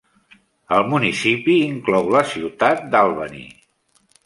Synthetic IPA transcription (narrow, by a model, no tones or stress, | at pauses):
əlˠmunisipiːŋklɔwləsiwt̪at̪̚d̪alˠβə̰nḭ